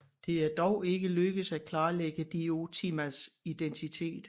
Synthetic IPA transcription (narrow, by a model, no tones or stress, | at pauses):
d̥e̝æɐd̥ɒʊe̝ɡ̥əløɡ̥əð̩ˠsæ̥kʰlɑ̈ːleɡ̥əd̥io̝t͡sʰimæsid̥ent͡sʰit͡sʰe̝̰ːd̥